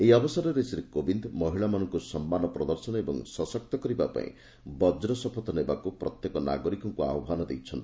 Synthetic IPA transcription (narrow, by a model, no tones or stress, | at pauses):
eiɔbɔsaɾɔɾesiɾekobind̪mɔɦiɭamanɔŋkusɔmːanɔpɾɔd̪ɔɾsɔnɔebɔ̰ŋsɔsɔk̚t̪ɔkɔɾibapa̰ḭ̃ | bɔd͡ʒɾɔsɔpʰɔt̪ɔnebakupɾɔt̪jekɔna̰ɡɔɾikɔŋkua̰ɔbʱanɔd̪ejt͡ʃʰɔnt̪ʰi